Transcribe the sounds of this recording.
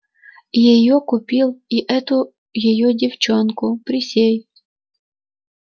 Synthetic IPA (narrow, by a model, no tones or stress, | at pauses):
jɛjɔkʊpʲilˠiʔɛt̪ʊ | jɔjɔdʲiwt͡ʃɔnkʊpɾʲɪsʲej